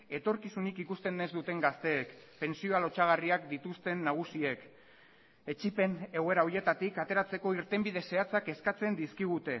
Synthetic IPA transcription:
e̞t̪o̞ɾkisunikikust̪e̞nːezd̪ut̪e̞ŋɡast̪e̞ːkpe̞nsio̞alo̞t͡ʃaɣ̞ariakd̪it̪ust̪e̞nːaɣ̞usie̞k | e̞t͡ʃipe̞ne̞ɣe̞ɾauje̞t̪at̪ikat̪e̞ɾat͡se̞ko̞iɾt̪e̞mbið̞e̞se̞at͡sake̞skat͡se̞nd̪iskiɣ̞ut̪e̞

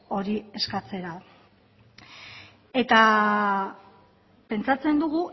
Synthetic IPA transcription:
o̞ɾie̞skat͡se̞ɾa | e̞t̪a | pe̞nt͡sat͡se̞nd̪uɣu

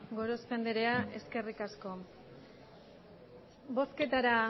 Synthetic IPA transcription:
ɡo̞ɾo̞spe̞nd̪eɾe̞aʔe̞ske̞rikasko̞ | bo̞ske̞t̪aɾa

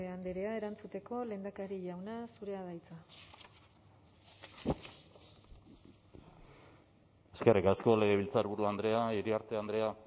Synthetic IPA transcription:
eand̪eɾeae̞ɾant͡sut̪e̞ko̞le̞nd̪akaɾiʝawnasuɾe̞að̞ajt͡sa | e̞ske̞rikasko̞le̞ɣe̞β̞ilt͡saeɾβuɾuand̪ɾe̞aiɾiaɾt̪e̞and̪ɾe̞a

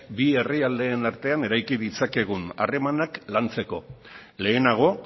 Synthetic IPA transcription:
bie̞riald̪e̞ːnaɾt̪e̞ane̞ɾajkiðit͡sake̞ɣ̞una̰re̞manaklant͡se̞ko̞ | le̞ːnaɣ̞o̞

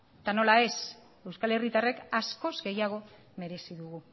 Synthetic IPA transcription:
t̪ano̞lae̞s | e̞wskale̞rit̪arekasko̞zɡe̞jaɣ̞o̞ | me̞ɾe̞siðuɣu

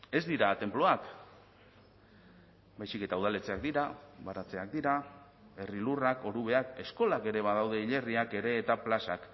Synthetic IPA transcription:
e̞zd̪iɾat̪e̞mplo̞ak | bajsike̞t̪auð̞ale̞t͡se̞ak̚d̪iɾaβaɾat͡se̞ak̚d̪iɾa | e̞rilurako̞ɾuβ̞e̞ake̞sko̞lake̞ɾe̞βað̞awðe̞iʎe̞riake̞ɾe̞ːt̪aplasak

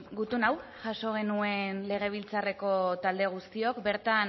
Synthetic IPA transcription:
ɡut̪unawʝaʃo̞ɣ̞e̞nue̞nle̞ɣ̞e̞β̞ilt͡sare̞ko̞t̪ald̪e̞ɣ̞ust̪io̞kbe̞ɾt̪an

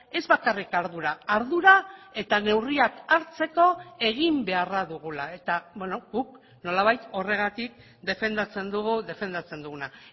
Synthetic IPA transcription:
e̞zβakarikaɾðuɾaːɾðuɾae̞t̪ane̞wriakaɾt͡se̞ko̞e̞ɣ̞imbe̞araðuɣ̞ulae̞t̪abweno̞ɣuk | no̞laβ̞ajt̪o̞re̞ɣ̞at̪ik̚ | d̪e̞fe̞nd̪at͡se̞nd̪uɣud̪e̞fe̞nd̪at͡se̞nd̪uɣuna

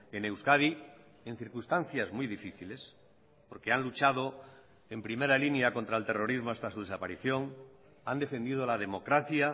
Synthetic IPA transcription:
e̞ne̞wskaði | e̞n̟θiɾkust̪anθjazmuijðifiθile̞s | po̞ɾke̞anlut͡ʃað̞o̞ | e̞mpɾime̞ɾalinjako̞nt̪ɾaelt̪e̞ro̞ɾizmo̞ast̪asuð̞e̞sapaɾiθjo̞ŋ | and̪e̞fe̞nd̪ið̞olaðe̞mo̞kɾaθja

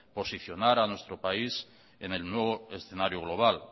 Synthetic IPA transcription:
po̞siθjo̞naɾanwe̞st̪ɾopais | ene̞lnwe̞βoesθe̞naɾjoɣlo̞β̞al

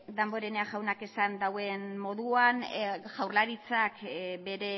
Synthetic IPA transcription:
d̪ambo̞ɾene̞aʝawnake̞sand̪awe̞nmo̞ðuanʝawɾlaɾit͡sakbe̞ɾe̞

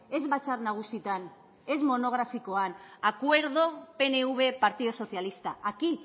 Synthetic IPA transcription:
e̞zβat͡sarnaɣ̞usit̪an | e̞zmo̞no̞ɣ̞ɾafiko̞anakwe̞ɾð̞o̞pe̞neuβ̞e̞paɾt̪iðoso̞θjalist̪aʔaki

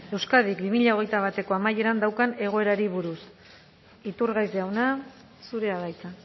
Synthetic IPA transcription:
e̞wskað̞ikbimiʎao̞ɣ̞e̞jt̪aβ̞at̪e̞ko̞amaje̞ɾand̪awkane̞ɣ̞o̞e̞ɾaɾiβuɾus | it̪uɾɣajzd̪eawna | suɾe̞aβajt͡sa

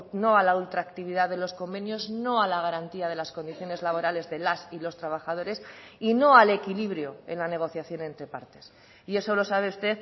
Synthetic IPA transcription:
no̞alault̪ɾaːkt̪iβiðaðe̞lo̞sko̞mbe̞njo̞zno̞alaɣ̞aɾant̪iað̞e̞lasko̞nd̪iθjo̞ne̞zlaβo̞ɾale̞zðe̞lasilo̞st̪ɾaβ̞aχaðo̞ɾe̞sino̞ale̞kiliβɾjo̞e̞̰nlane̞ɣ̞o̞θjaθjo̞ne̞nt̪ɾe̞paɾt̪e̞̥s | ie̞so̞lo̞saβe̞ust̪e̞θ

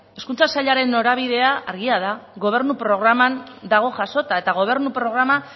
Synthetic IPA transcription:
e̞skunt͡sasaʎaɾe̞nːo̞ɾaβ̞iðe̞aʔa̰ɾɣiað̞aɣo̞β̞e̞ɾnupɾo̞ɣɾamand̪aɣ̞o̞ʝaso̞t̪ae̞t̪aɣ̞o̞β̞e̞ɾnupɾo̞ɣ̞ɾama

